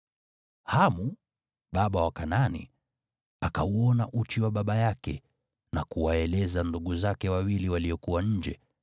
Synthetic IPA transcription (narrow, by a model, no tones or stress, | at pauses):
hamu | ɓaɓawakananḭ | akauɔnaʔut͡ʃiwaɓaɓajakɛ̰ | nakuwaɛlɛzanduɠuzakɛwawiliwaliɔkuwaɲ̩d͡ʒɛ